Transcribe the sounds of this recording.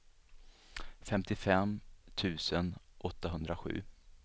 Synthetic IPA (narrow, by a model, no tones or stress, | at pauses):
fɛmt̪ɪfɛmt̪ʰʉ̟ːsənʔɔt̪ːaɦɵnd̪ɾaɧʉ̟̰ː